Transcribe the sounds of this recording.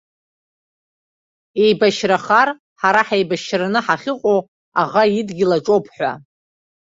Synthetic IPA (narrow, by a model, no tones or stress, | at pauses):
e̞jbaʃraχar | ħaɾaħejbaʃranɨħaχʲɪqʷʼow | aʁaidɡʲɪlaʈ͡ʂʼopʰħʷa̰